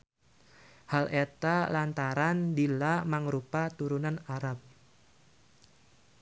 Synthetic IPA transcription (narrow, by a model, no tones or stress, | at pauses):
halʔet̪alant̪aɾandilamaŋɾupat̪uɾunanaɾap̚